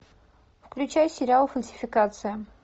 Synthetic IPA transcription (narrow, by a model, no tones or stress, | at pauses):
fklʲʉt͡ɕæjʊsʲɪɾʲalˠfəlʲsʲɪ̥fʲɪkat̪sɨjɪ